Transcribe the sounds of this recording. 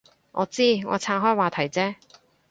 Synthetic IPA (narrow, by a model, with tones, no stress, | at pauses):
ŋʔɔː˨˧t͡siː˥ŋɔ̰ː˨˧t͡sʰaː˧˥ɦɔː˥jwaː˨t̪ʰɐ˨˩jt͡sɛː˥